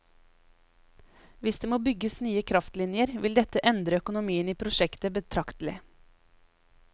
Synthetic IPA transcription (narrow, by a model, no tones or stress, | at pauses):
ʋɪsd̪eːmoːbʏɡəsnyːəkʰɾɑft̪lɪnjəɾʋɪld̪ɛt̪əʔɛnd̪ɾəœkʊnʊmiːəniːpʰɾʊʃɛkt̪əbət̪ʰɾɑkt̪əl̩ɪ̰